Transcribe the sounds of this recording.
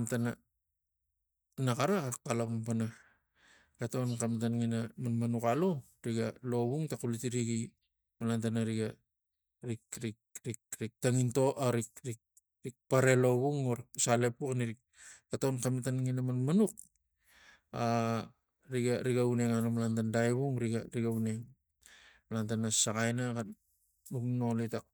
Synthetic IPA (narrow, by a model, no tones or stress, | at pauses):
ntana | nakaɾakakalampana | kato̞nkamitanŋinamanmanukalo̞ | ɾiɡalo̞βuŋtakulitiɾiɡi | malantanaɾiɡa | ɾikɾikɾikɾik̚taŋinto̞ʔaɾikɾik̚ | ɾik̚paɾe̞lo̞βuŋoɾsale̞pukaniɾik | katonkamitanŋinamanmanuk̚ | a | ɾiɡaɾiɡauneŋanomalantandajβuŋɾiɡaɾiɡauneŋ | malantanasakajnaka | ukno̞litak